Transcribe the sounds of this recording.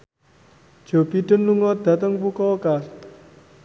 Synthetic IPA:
d̥ʒ̥o̤b̥iɖ̥ə̤nluŋɔd̪̥ä̤t̪əŋpukɔokas

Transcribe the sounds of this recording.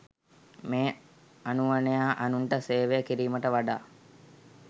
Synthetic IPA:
meː | anuʋanejaːʔanuɳʈəseːʋejəkiɾiːməʈəʋaɖa̰ː

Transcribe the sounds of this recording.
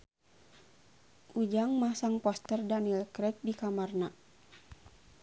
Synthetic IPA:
ʔud͡ʒaŋmasaŋpɔst̪ərdanilkɾɛt̪̚dikamarna

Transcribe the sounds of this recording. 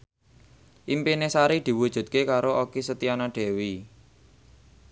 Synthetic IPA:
ʔimpinesaɾid̪̥i̤wud̥ʒ̥ṳt̪̚kekaɾoʔokisət̪ianaɖ̥e̤wi

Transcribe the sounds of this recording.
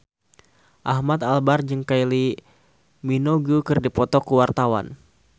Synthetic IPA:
ʔahmat̪albard͡ʒəŋkaili | minoɡukɨrdipɔt̪ɔkuwart̪awa̰n

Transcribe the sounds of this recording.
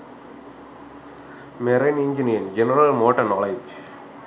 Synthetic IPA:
mɛɾɐnɪɲd͡ʒɪnɪɐnd͡ʒɛnɐɾɐlmoːʈːɐnɔːled͡ʒ

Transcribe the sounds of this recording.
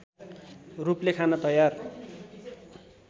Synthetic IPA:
ruplekʰanʌt̪ʌjar

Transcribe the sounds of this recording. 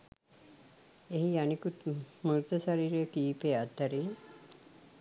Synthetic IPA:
eɦianikut̪muɾt̪əsaɾiːɾejəkiːpeːad̪əɾiŋ

